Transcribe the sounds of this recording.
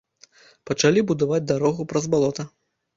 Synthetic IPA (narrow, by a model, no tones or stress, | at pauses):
pɐt͡ʂalʲibud̪avad͡zʲd̪aɾɔɣupɾɐzbalˠɔt̪ɐ